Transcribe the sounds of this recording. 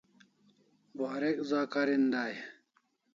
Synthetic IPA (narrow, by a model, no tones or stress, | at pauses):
baːɾekzaːkaɾind̪aːje